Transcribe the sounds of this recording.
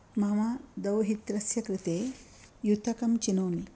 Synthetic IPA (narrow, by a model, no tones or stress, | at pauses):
mɐmad̪ɐwɦit̪ɾɐsjɐkɾɪt̪eː | jut̪ɐkɐmt͡ʃinoːmi